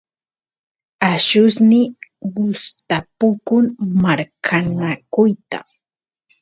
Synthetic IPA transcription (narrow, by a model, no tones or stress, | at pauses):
aʃʊsnɪɢʊst̪apʊkʊŋmaɾkʰanakʊjt̪a̰